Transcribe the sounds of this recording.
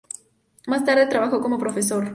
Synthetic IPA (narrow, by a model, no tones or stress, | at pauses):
mast̪aɾðe̞t̪ɾaβaxoko̞mo̞pɾo̞fe̞s̬oɾ